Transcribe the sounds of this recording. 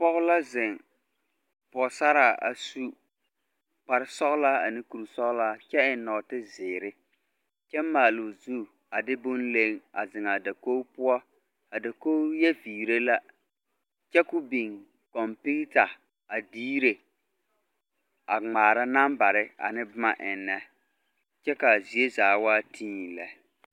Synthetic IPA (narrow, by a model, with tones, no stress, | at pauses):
pɔ˦ɣʊ˦la˦zɪ˨ŋ | pɔ˨sa˦ɾa˨a̰˨su˦ | pa˨ɾɪ˨˦sɔ˦ɣla˦a̰˨nɪ˦ku˨ɾu˨sɔ˦ɣla˦t͡ʃɛ˦ɪ˨˦nɔ˨tɪ˦zɪː˨ɾɪ˦ | t͡ʃɛ˦mː˦aː˨lʊ˨zu˦˨ | a˨dɪ˦bʊ˦nle˦ŋa̰˨zɪ˨ŋa˨da˨ko˦pʊ˦ɔ˦ | a˨da˨ko˦jɛ˦viː˨ɾe˦la˦ | t͡ʃɛ˦kʊ˦bi˨ŋ | kɔ˨mpi˦ta˨ | a˨diː˦ɾe˨ | a˨ŋ͡maː˨ɾa˦na˦mba˨ɾɪ˦a̰˨nɪ˦bʊ˦ma˨ʔɪ˨nːɛ˦ | t͡ʃɛ˦ka˨zi˨˦e˦zaː˨˦waː˦tʰĩ˦ɲi˨lɛ̰˦